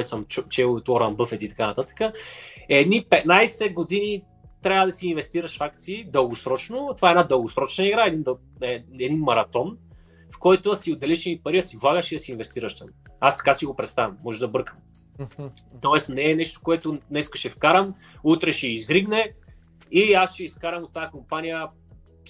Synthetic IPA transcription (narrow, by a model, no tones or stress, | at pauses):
t̪səmt͡ʃɛlˠot̪ɔɾɐmbɤfɛt̪it̪ɐ̥kanɐt̪at̪ə̥kəɛd̪nipɛt̪najsɛɡod̪ini | t̪ɾʲabəd̪ɐsiːnvɛst̪iɾəʃfak̚t̪siːd̪əlˠɡosɾɔt͡ʃnʊt̪ovaɛd̪nad̪əlˠɡosɾɔt͡ʃnɐiɡɾaɛd̪ind̪ | ɛɛd̪inmɐɾɐt̪ɔn | fkɔjt̪ʊɐsiod̪ɐlɛʃɛmipɐɾiɐsivlˠaɣəʃid̪ɐsiːnvɛst̪iɾəʃt̪amast̪ɐ̥kasiɡopɾɛt̪st̪avɐmːɔʒɛd̪ɐbɾkəm | t̪ɔɛsnɛːnɛʃt̪o̥koɛt̪onɛskə̥ʃɛfkaɾəm | ut̪ɾɛʃɛizɾiɡnɛ | iasʃɛiskaɾɐmd̪ot̪ːajːkompanijə